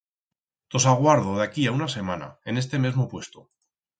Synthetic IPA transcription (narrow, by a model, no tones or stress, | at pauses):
t̪o̞s̬aɣwaɾð̞oðakiaunase̞mana̰e̞ne̞s̬t̪e̞me̞zmopwe̞st̪o